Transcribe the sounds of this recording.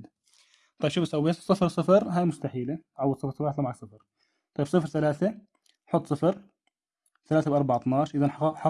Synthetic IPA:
t̪ˤɑjːbʃɪbsawːeːsˤɨfɾsˤɨfɑɾˤɦaːjmʊst̪aħiːlaʕawːd̪sɨfɾsˤɑbaːħt̪lɑmaʕaksˤɨfɑɾˤ | t̪ˤɑjːbsˤɨfɾθalaːθa | ħʊt̪ˤːsˤɨfɑɾ | θalaːθabwʔɑɾˤbaʕt̪ˤnɑːʃʔɪðanħħɑ

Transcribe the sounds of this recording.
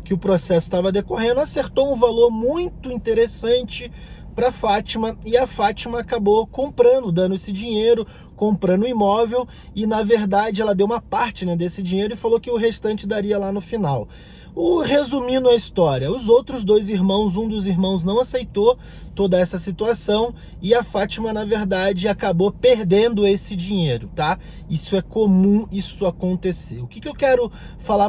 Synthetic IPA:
kɪʊpɾosɛsʊ̥t̪avɐd̪ekoɦẽnd̪ʊaseɾt̪owũvaloɾmũj̃t̪ʊĩt̪eɾesɐ̃nt͡ʃɪ | pɾɐfat͡ʃimɐɪɐfat͡ʃimɐakabokõpɾɐ̃nd̪ʊd̪ɐ̃nd̪ʊesɪd͡ʒĩɲejɾʊ | kõmpɾɐ̃nd̪ʊimɔvew | ɪnɐveɾd̪ad͡ʒɪɛlɐd̪ewũmɐpaɾt͡ʃɪnɛd̪esɪd͡ʒĩɲejɾʊɪfalokɪʊɦest̪ɐ̃nt͡ʃɪd̪aɾiɐlanʊfinaw | ʊhezumĩd̪ʊɐist̪ɔɾiɐʊzowt̪ɾʊzd̪ojziɾmɐ̃w̃zũd̪ʊziɾmɐ̃w̃znɐ̃w̃asejt̪o | t̪od̪ɐɛsɐsit̪uasɐ̃w̃ | ɪɐfat͡ʃimɐnɐveɾd̪ad͡ʒɪakabopeɾd̪ẽnd̪ʊesɪd͡ʒĩɲejɾʊt̪a | isʊɛkomũisʊakõnt̪eseʊkɪkɪewkɛɾʊ | fala

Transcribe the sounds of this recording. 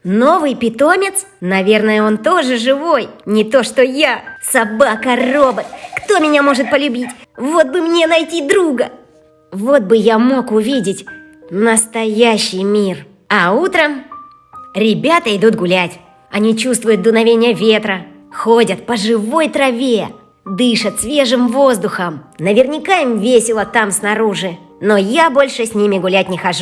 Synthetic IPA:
no̞vɨjpʲɪt̪o̞mʲɪt̪s | nɐvʲe̞rnəjəo̞nt̪o̞ʐɨʐɨvo̞jnʲɪt̪o̞ʂt̪o̞jasɐbakəro̞bət̪̚kt̪o̞mʲɪnʲamo̞ʐɨt̪̚pəlʲʊbʲitʲvo̞t̪̚bɨmnʲe̞nɐjtʲid̪ɾuɡə | vo̞t̪̚bɨjamo̞kʊvʲidʲɪtʲ | nəst̪ɐjæɕːɪjmʲir | ɐut̪ɾəm | ɾʲɪbʲat̪əɪd̪ut̪ɡʊlʲætʲ | ɐnʲit͡ɕust̪vʊjʊt̪̚d̪ʊnɐvʲenʲɪjəvʲet̪ɾə | xo̞dʲət̪̚pəʐɨvo̞jt̪ɾɐvʲe | d̪ɨʂət̪svʲe̞ʐɨmvo̞zd̪ʊxəmnəvʲɪrnʲɪkaɪmvʲesʲɪlˠət̪amsnɐɾuʐɨ | nojabo̞lʲʂɨsʲnʲimʲɪɡʊlʲæt̚ʲnʲɪxɐʐu

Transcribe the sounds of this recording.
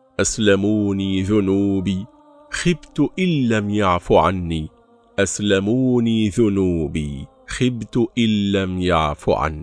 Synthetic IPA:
ʔaslamuːniːðʊnuːbiː | xɪbt̪ʊʔɪlːamjaʕfʊʕa̰nːiː | ʔaslamuːniːðʊnuːbiː | xɪbt̪ʊʔɪlːamja̰ʕfʊ̰ʕa̰n

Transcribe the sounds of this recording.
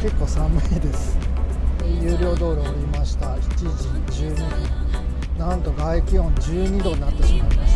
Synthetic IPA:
ke̞kːo̞ːsãmːeːd̪e̞sɨ̥ | jɯ̟ːɾʲjo̞ːd̪o̞ːɾoːɾʲimaɕi̥t̪ai̥t͡ɕiʑid͡ʑɨːɲ̟id̪o | nãnt̪o̞ɡaekʲiõ̞ɲd͡ʑɨːɲ̟id̪o̞ɲ̟inat̪ːeɕimaimas

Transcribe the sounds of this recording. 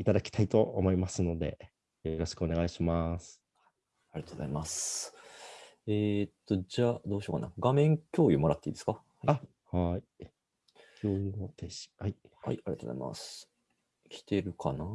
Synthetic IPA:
it̪ad̪akʲi̥t̪ʰait̪o̞omo̞imasɨno̞d̪e̞̰ | joɾo̞ɕi̥kɯo̞ne̞ɡaiɕimasɨ̥ | aɾiat̪oːzaimas | et̪ːo̞d͡ʑaːd̪o̞ːɕoːkana̰ɡamẽ̞ŋkʲo̞ːjɯmoɾat̪ːeḭːd̪eskaha | hai | kʲʰoːjot̪ei̥hai | ha̰iaɾḭat̪oːza̰ḭma̰s | kʲi̥t̪e̞ɾɯ̟kʰana

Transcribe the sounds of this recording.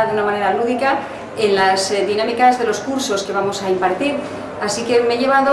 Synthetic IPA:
ðeunamãne̞ɾaluðika | e̞nlazðinamikazðe̞lo̞skuɾso̞ske̞β̞amo̞saimpaɾt̪iɾ | asike̞meʝe̞β̞aðo

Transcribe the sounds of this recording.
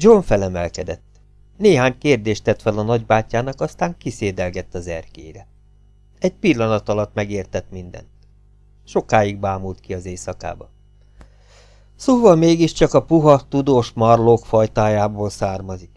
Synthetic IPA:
d͡ʒoɱfɛlɛmɛlkɛd̪ɛt̪ː | neːɦaːɲkeːrd̪eːʃt̪ɛt̪fɛlɒnɒɟbaːcːaːnɒkɒst̪aːŋkiseːd̪ɛlɡɛt̪ːɒzɛrkḛːɾɛ | ɛɟ̚pilːɒnɒt̪ɒlɒt̪mɛɡeːrt̪ɛt̪mind̪ɛ̰nt̪ | ʃo̞kaːjiɡ̚baːmult̪kiɒzeːsɒka̰ːbɒ | soːvɒlmeːɡiʃt͡ʃɒkɒpuɦɒt̪ud̪oːʃmɒrloːkfɒjt̪aːjaːboːlsaːrmɒzik

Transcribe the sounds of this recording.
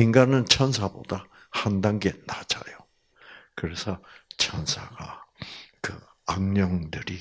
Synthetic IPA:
iŋɡanɯnt͡ɕʰʌnsʰabo̰da | handaŋɡenad͡ʑa̰jo | kɯɾe̞sʰʌt͡ɕʰʌnsʰaɡa | kɯ | aŋɲʌŋdɯɾi

